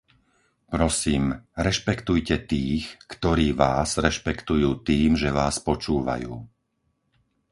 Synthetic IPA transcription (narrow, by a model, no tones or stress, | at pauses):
pɾɔsiːmɾɛʃpɛkt̪ujcɛt̪iːxkt̪ɔɾiːʋaːzɾɛʃpɛkt̪ujuːt̪iːmʒɛʋaːspɔt͡ʃuːʋa̰juː